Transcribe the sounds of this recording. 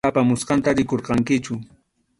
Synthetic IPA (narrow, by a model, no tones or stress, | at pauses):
apamʊsqɑnt̪aɾɪkoɾqɑŋkɪt͡ʃʊ